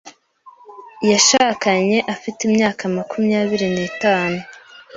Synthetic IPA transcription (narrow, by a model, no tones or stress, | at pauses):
jaʃaːkaɲe̞ʔafitimɲaːkamakumjaːβiɾiniːtaːnu